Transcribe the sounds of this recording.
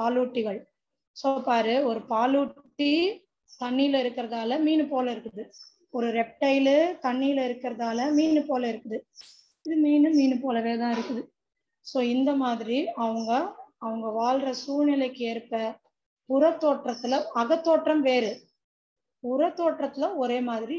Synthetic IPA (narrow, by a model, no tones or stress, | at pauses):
paːluːʈːɪɣɐɭ | soːpaːɾɯɔɾɯpaːluːʈːi | t̪ɐɳːiːlɐɪɾɯkːɪɾɐðaːlɐmiːnɯpoːlɐɪɾɯkːɯðɯ | ɔɾɯɾɛp̚ʈɐɪlɯt̪ɐɳːiːjlɐɪɾɯkːɪɾɐðaːlɐmiːnɯpoːlɐɪɾɯkːɯðɯ | ɪðɯmiːnɯmiːnɯpoːlɐʋeːt̪ãːɪɾɯkːɯðɯ | soːɪnd̪ɐmaːðɪɾiɐʋɐŋɡɐɐʋɐŋɡɐʋaːlrɐsuːɾnɪlɐɪkːɯeːɾpːɐ | pʊɾɐt̪ːoːʈrɐt̪ːɪlɐɐɣɐt̪ːoːʈrɐmʋeːɾɯ | pʊɾɐt̪ːoːʈrɐt̪ːɪlɐɔɾeːmaːðɪɾi